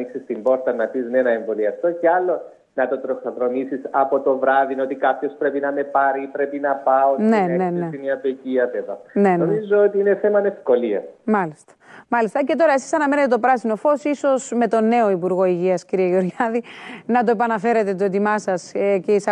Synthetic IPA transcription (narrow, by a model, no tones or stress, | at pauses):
iksist̪imbo̞ɾt̪ɐnɐpiznenɐeɱvo̞liɐft̪o̞ceɐlːo̞ | nɐt̪o̞t̪ɾosoðɾo̞misisɐpo̞t̪o̞vɾɐðino̞t̪ikɐpço̞spɾe̞pinɐme̞pɐɾipɾe̞pinɐpɐoneneneiniɐpeciɐveðɐnenomizoot̪iine̞θe̞mɐne̞fko̞liɐ̰smɐlist̪ɐ̥mɐlist̪ɐce̞t̪o̞ɾɐe̞si̥sɐnɐme̞net̪et̪opɾɐsino̞fo̞siso̞sme̞t̪o̞nːe̞o̞ipuɾɣo̞iʝiɐsciɾieʝeoɾʝɐðinɐt̪o̞epɐnɐfe̞ɾet̪e̞t̪oet̪imɐsɐscis